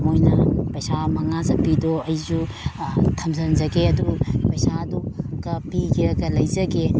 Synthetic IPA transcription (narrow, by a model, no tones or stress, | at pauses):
mojnɐpɐjsamɐŋazɐpidoɐjzu | tʰɐmzɐnzɐɡeɐdupɐjsaduɡɐpiɡiɾɐɡɐlɐjzɐɡe